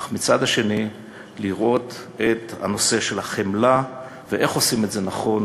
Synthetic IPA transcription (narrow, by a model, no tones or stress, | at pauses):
χmit͡sad̪haʃe̞ni | liʁʔo̞t̪ | et̪ha̰no̞se̞ʃe̞laχemla | veʔeχo̞simetze̞naχo̞n